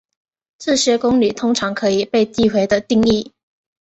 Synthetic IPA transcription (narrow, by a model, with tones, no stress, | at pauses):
t͡sɹ̩˥˩ɕɛ˥kʊ˥ŋly˨˩t̪ʰʊ˥ŋʈ͡ʂʰɑ˧˥ŋkʰɤ˧˥i˨˩pe˥˧ɪt̪i˥˩xwe˧˥ɪd̪ə˧t̪i˥˧ŋi˥˩